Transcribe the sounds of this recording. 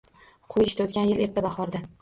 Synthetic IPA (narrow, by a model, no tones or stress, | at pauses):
qʰʊjɪʃt̪aot̪̚kʲanjɪle̞ɾt̪abɑχɒɾd̪a